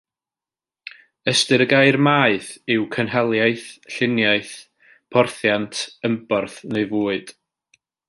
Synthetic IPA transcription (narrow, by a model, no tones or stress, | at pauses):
əstɨɾəɡaɨrmaːɨθɪwkʰənɦɛlˠjaɨθɬɪnjaɨθ | pʰɔrθjantʰəmbɔrθneɨvuːɨd̥